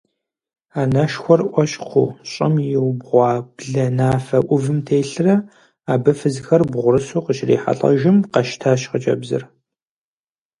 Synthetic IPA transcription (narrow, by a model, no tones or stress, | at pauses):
aːnɐʃxʷɔrʔʷɕʼqʰṵːɕʼɪmjɪwbʁʷɑːbɮɐnaːfɐʔʷʊvɨmtʰeːɬɨrɐ | aːbɨfɨzxɐrbʁʷʊɾɨsuːqəʃrḛːħa̰ɬʼɐ̰ʒɪmqɐʃtʰaːʃqət͡ʃʼɐ̰bzɨ̰r